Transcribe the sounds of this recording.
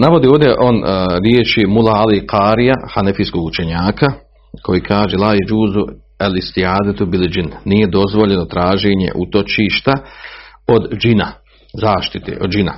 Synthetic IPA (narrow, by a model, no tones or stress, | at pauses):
naʋo̞d̪iːoːʋd̪jeʔo̞nɾjeːt͡ʃimulaaliqʰaːɾijahanafiskoːɡut͡ʃe̞ɲaːkʰa | kʰo̞jiːkʰaːʒelˠaːjed͡ʒuːzu | alist̪iaːd̪at̪ubild͡ʒinːije̞d̪o̞zʋo̞ʎe̞no̞t̪ɾaːʒe̞ːɲe̞̰ʔut̪o̞t͡ʃiːʃt̪a | o̞d̪d͡ʒina | zaːʃt̪it̪ḛːʔo̞d̪d͡ʒina̰